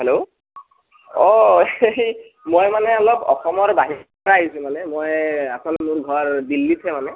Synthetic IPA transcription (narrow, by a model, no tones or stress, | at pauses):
ɦɛlo | ɔej | mojmanɛɔlɔbɔ̰xɔmɔɹbaɦi | ɹaːɦisʊ̃manɛmojasɔlmʊɹɡʱɔɹdilːitʰɛmanɛ